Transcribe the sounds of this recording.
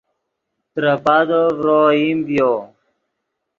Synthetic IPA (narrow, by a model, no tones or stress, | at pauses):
t̪ɾəpad̪ovɾoːimbjo